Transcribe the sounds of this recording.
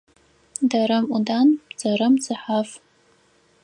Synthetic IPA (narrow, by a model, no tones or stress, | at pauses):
dɐɾɐmudaːnz̥ɐɾɐmzɨħaf